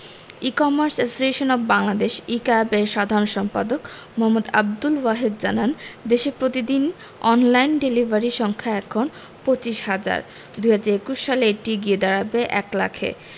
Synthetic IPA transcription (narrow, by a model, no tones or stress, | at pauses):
ikɔmaɾsesoseʃonɔbbaŋlad̪eʃikabeɾʃad̪ʱaɾonʃɔmpa̰d̪ok | mɔɦɔmːud̪a̰b̚d̪ulwaɦed̪̚d͡ʑanand̪eʃepɾot̪id̪in | ɔnlajnɖelibʱaɾiʃɔŋkʰaɛkʰːon | pot͡ɕiʃhad͡ʑa̰ɾ | d̪ujɦad͡ʑaɾekuʃːaleeʈiɡied̪aɽabeʔɛkla̰kʰḛ